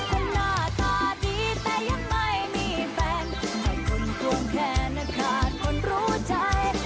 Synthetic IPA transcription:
kʰa˧˥nlaː˧˩t̪ʰaː˨˩˦diː˨˥t̪ɛː˧˩ja˧ŋma˥˩jmiː˧˩fɛː˧nha˧˩jkʰo˨˧nku˧əmkʰɛː˧na˧˩kʰaː˨˩t̪̚kʰo˧˥nɾuː˦˥t͡ɕa˧j

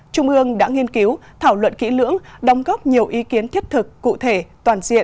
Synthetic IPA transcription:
t͡ɕʊ˧ŋ͡mʔɨ˧əŋɗa̰ː˧˥ŋi˧ənki˨˦wt̪ʰaː˧˩wlwə̰˧˨nkḭ˧˥lɨ̰˧˥əŋɗə˨˦wŋ͡mɣɔ˦˥p̚ɲi˨˩əwʔi˨˦ki˨˦ənt̪ʰi˦˥ət̚t̪ʰɨ˨˩kːṵ˧˨t̪ʰe˧˩t̪waː˨˩nzḭ˧˨ən

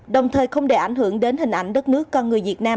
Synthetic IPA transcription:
ɗə˨˩wŋ͡mt̪ʰəː˨˩jxə˧wŋ͡mɗe˨˩ʔa˧˩jŋ̟ɦɨ˧˩əŋɗe˨˦nɦï˨˩ŋ̟ʔa̰˧jŋ̟ɗə˦˥t̚nɨ˦˥əkːɔ˧nŋɨ˨˩əjvi˨˩ət̚naː˧

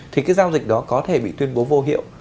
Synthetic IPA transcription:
t̪ʰi˨˩kaː˨˦jzaː˧wzï˨˩k̟̚ɗɔ˨˦kɔ˨˦t̪ʰe˧˩ɓḭ˧˨t̪wi˧ənɓo˨˦vo˧ɦḭ˧˨əw

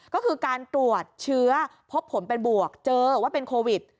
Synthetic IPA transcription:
kɔː˥˩kʰɯː˧kaː˧nt̪ɾu˨˩ət̪̚t͡ɕʰɯ˦˥ɐpʰo˦˥pʰːo˩˦npe˧nbu˨˩ək̚t͡ɕɤː˧waː˥˩pe˧nkʰoː˧wi˨˩t̪̚

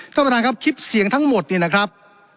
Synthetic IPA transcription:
t̪ʰaː˥˩pa˧t̪aː˧ŋkʰa˦˥p̚kʰi˦˥p̚si˨˩˦əŋt̪ʰa˦˥ŋmo˨˩t̪̚ni˥˩na˦˥kʰɾa˦˥p̚

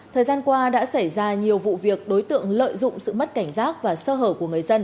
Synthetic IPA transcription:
t̪ʰəː˨˩zaː˧nkwaː˧ɗa̰ː˧˥sa˧˩jzaː˧ɲi˨˩əwvṵ˧˨vi˨˩ək̚ɗo˨˦jt̪ɨ̰˧˨əŋlə̰ː˧˨jzʊ̰˧˨ŋ͡msɨ̰˧˨mə˦˥t̚ka˧˩jŋ̟zaː˦˥k̚vaː˨˩səː˧ɦəː˧˩p̚ku˧˩əŋɨ˨˩əjzə˧n

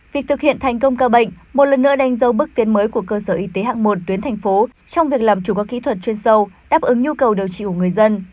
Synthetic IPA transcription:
vi˨˩ək̚t̪ʰɨ˨˩k̚hḭ˧ənt̪ʰɛ˨˩jŋ̟kə˧wŋ͡mkaː˧wɓə̰˧˨jŋ̟ | mo˨˩t̚lə˨˩nːɨ̰˧˥əɗa˧jŋ̟zə˧wɓɨ˦˥k̚t̪i˨˦ənməː˨˦jku˧˩əkəː˧səː˧˩ʔi˧t̪e˨˦ɦa̰ː˧˨ŋmo˨˩t̚t̪wi˨˦ənt̪ʰa˨˩jŋ̟fo˨˦ | t͡ɕɔ˧wŋ͡mvi˨˩ək̚laː˨˩mt͡ɕu˧˩kaː˨˦˥kḭ˧˥t̪ʰwə˨˩t̚t͡ɕwi˧ənsə˧w | ɗaː˦˥p̚ʔɨ˨˦ŋɲu˧kə˨˩wɗi˨˩əwt͡ɕḭ˧˨ku˧˩əŋ˨˩əjzə˧n

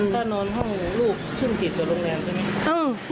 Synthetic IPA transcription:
aː˥˩nɔː˧nɦɔ˥˩ŋluː˥˩k̚sʰɯ˥˩nt̪i˨˩t̪̚kɔː˨˩lo˧ŋlɛː˧mt͡ɕʰa˥˩ma˦˥jʔɯː˥˧˩

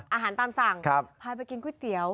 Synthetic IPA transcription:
ʔʔaː˧ɦaː˩˦nt̪aː˧msa˨˩ŋkʰa˦˥p̚pʰaː˧jpa˧jki˧nkʰuː˥˩t̪i˨˩˦əw

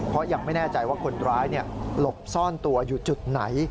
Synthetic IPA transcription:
pʰɾɔ˦˥jaː˨˩k̚ma˥˩jnɛː˥˩t͡ɕa˧jwaː˥˩kʰo˧nɾaː˦˥jni˥˩ɐlo˨˩p̚sɔː˥˩nt̪u˧ɐjuː˨˩t͡ɕu˨˩t̪̚na˩˦j

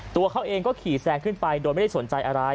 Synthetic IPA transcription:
t̪u˧ɐkʰa˦˥˩wʔeː˧ŋkɔː˥˩kʰiː˩˦sɛː˧ŋkʰɯ˥˩npa˧jdoː˧jma˥˩a˥˩so˩˦nt͡ɕa˧jʔa˧ɾa˧j

